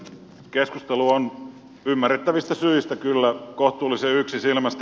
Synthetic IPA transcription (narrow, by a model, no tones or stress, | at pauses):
keskust̪eluon | ymːærːet̪ːæʋist̪æsyist̪ækylːækoht̪ˑuːlːˑiseyksisilmæst̪